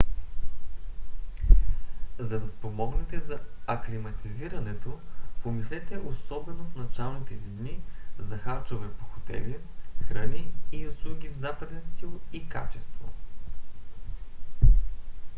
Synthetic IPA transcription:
zɐd̪ɐspomɔɡnɛt̪ɛzɐɐklimɐt̪iziɾɐnɛt̪opomislɛt̪ɛʔosɔbɛnot̪nɐt͡ʃalˠnit̪ɛzid̪nizɐxaɾt͡ʃovɛpo̥xo̥t̪ɛ̰lixɾəniːuslˠuɡʲivzapəd̪ɛnst̪ilˠika̰t͡ʃɛst̪vo

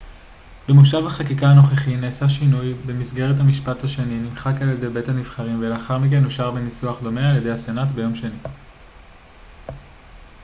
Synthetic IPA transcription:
bemuʃavhaχakikaːno̞χeχineːsaʃinujbemisɡe̞ʁethamiʃpathaʃe̞ninimχakaljede̞be̞thanivχaʁimveleaχaʁmik̬e̞nuʃaʁbenisuaχd̪o̞me̞alje̞dehasenatbe̞jo̞mʃeni

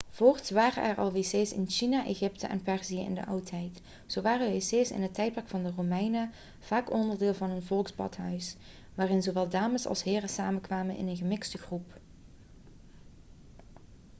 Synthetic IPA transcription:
v̥oːɹtʋaːrə̰ʔɛ̰ɹʔɑ̰lˠʋeːseːsɪ̰nʃinaʔeɣɪptə̰ʔɛ̰npɛɹzijəʔɪ̰ndə̰ʔʌwtɦɛjt | z̥owʋaːrəʋeseːsɪ̰nɦətːɛjt̚pɑkfɑndəromɛjnə | v̥aːkɔndəɹdɪːlˠvɑnɦɵnvɔlˠksbɑ̰tɦœɥs | ʋaːrɪnzoʋɛlˠdaːməsɑ̰lˠsɦɪːrəsaːməkʋaːmənʔɪ̰nənɣəmɪksdəɣrup

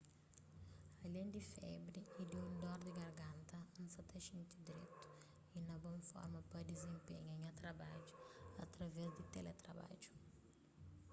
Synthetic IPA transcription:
ɐlẽnd̪ifɛbɾiid̪iũnd̪ɔɾd̪iɡɐɾɡãnt̪ɐũnsɐt̪ɐʃĩnt̪id̪iɾḛt̪u̥ | inɐbõfɔ̰ɾmɐpɐd̪izẽmpeɲɐɲɐt̪ɾɐbad͡ʒuɐt̪ɾɐvɛzd̪it̪ɛlɛt̪ɾɐba̰d͡ʒu̥

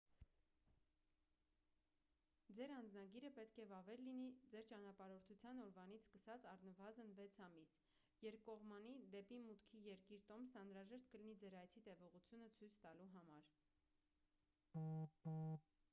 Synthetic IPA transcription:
d͡zɛɾɑnd͡znɑɡiɾəpɛt̪kʰɛvɑvɛllːinid͡zɛɾt͡ʃɑnɑpɑɾɔɾt̪ʰut͡sʰjɑnɔɾvɑn̪it͡sʰskəsɑt͡sɑrnəvɑzənvɛt͡sʰɑmis | jɛɾpkɔʁmɑnid̪ɛpimut̪kʰijɛɾkiɾt̪ɔmsnɑnɾɑʒɛʃt̪kəlinid͡zɛɾɑjt͡sʰit̪ɛvɔʁut͡sʰjunət͡sʰujt͡sʰt̪ɑluɦɑmɑɾ

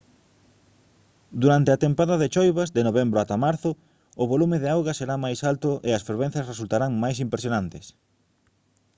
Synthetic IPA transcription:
d̪uɾant̪eat̪empaðɐðet͡ʃojβɐzd̪enoβembɾʊat̪amaɾθʊ | ʊβolumɪðeawɣɐseɾamajsalt̪ʊʔeɐsfeɾβen̟θjɐsresult̪aɾaŋmajs̬impɾesjonant̪ɪs

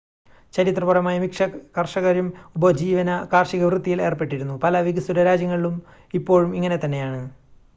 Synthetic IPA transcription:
t͡ɕɐɾit̪rɐpurɐmaːjɐmikʂɐkɐrʂɐɣɐɾjumubɐd͡ʑiːʋɐnɐkaːrʂiɣɐʋrɨt̪ːijile̞ːrpe̞ʈːiɾunːupɐlɐʋiɡɐsuɾɐɾaːd͡ʑjɐŋːɐɭilum | ipːo̞ːɻumiŋːɐne̞t̪ɐnːe̞jaːɳɨ

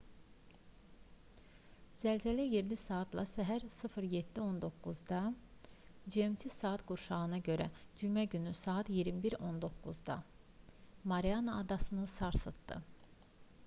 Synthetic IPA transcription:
z̥ælʲzælæjeɾlisaːt̪ʰlˠɑ̰sæɦæɾsɯfɯɾjet̪ːio̞nd̪o̞kːuzd̪ɑ | d͡ʒiemt̪ʰisaːat̪ɡuɾʃɑɣɯnɑɟø̞ɾæd͡ʒymæɟynysaːt̪jiɾmibiɾo̞nd̪o̞kːuzd̪ɑ̰ | maɾijanaːd̪ɑsɯnɯsɑɾsɯt̪ːɯ̰

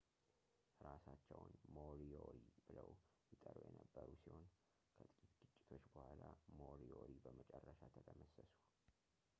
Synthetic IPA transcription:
ɾasat͡ʃːɛwnmoɾioɾibɨləwjɪt̪ʼərujɛnəbːəɾusiho̞n | kʰət̪ʼɨkʼit̪ɡ̥ɨt͡ʃʼːɪ̥t̪ʰo̞t͡ʃːbəhʷalamoɾioɾibəmət͡ʃʼɛrːəʃat̪ʰət̪ʰəməsəsu̥

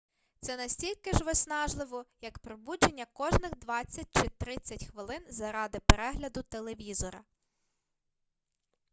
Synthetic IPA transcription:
t̪sɛnɐsʲtʲilʲkɪʒʋɔsʲnɑʒlˠɪʋɔjɐkpɾɔbud͡ʒenʲːɐkɔʒnɪxd̪ʋɑt͡sʲːɐt̚ʲt͡ʃɪt̪ɾɪt͡sʲːɐtʲxʋɪlˠɪnzɐɾɑd̪ɪpeɾɛɦlʲɐd̪ʊt̪elˠe̞ʋʲizɔɾɐ̰

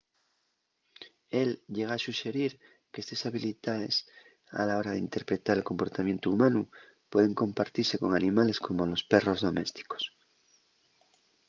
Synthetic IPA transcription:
elʝeɣaasuʃe̞ɾiɾ | keest̪esaβilit̪aðḛs | a̰lao̞ɾaðeint̪e̞ɾpɾe̞t̪aɾelko̞mpo̞ɾt̪amje̞nt̪uːmãnu | pwe̞ðe̞ŋkõ̞mpaɾt̪iɾse̞ko̞ŋanĩmale̞skʰo̞molo̞spe̞ro̞zðo̞me̞st̪i̥ko̥s

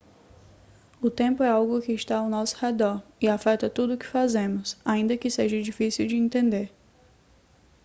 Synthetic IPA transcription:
ʊt̪ẽmpʊɛawɡʊkɪːʃt̪aawnɔsʊ̥hed̪ɔɾɪafɛt̪ɐt̪ud̪ʊkɪ̥fazẽmʊsaĩnd̪ɐkɪseʒɐd͡ʒifisiwd͡ʒɪẽnt̪ẽnd̪eɾ

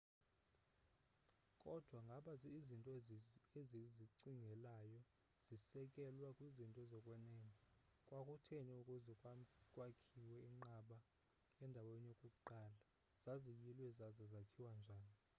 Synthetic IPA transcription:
kʼɔd̥ʱwaŋɡʱaɓazɛizintʼɔeziziǀiŋɡʱɛlajɔ | z̥isɛkʼɛlwakʼwizintʼɔzɔkʼwɛnɛŋikʼwakʼutʰeɲɛukʼuzɛkʼwkʼwakʰiwɛiŋ͡ǃaɓa | ɛndʱawenijokʼuǃala | z̥azijilwɛzazazakʰiwand͡ʒʱaːni

